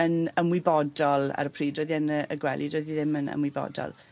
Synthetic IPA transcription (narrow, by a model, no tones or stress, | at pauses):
ənəmwɪbɔdɔlˠa̰ɾəpʰriːdrojðianəəɡwɛ̰lˠʔidroɨðiðɪmənə̰mwɨbɔ̰dɔ̰lˠ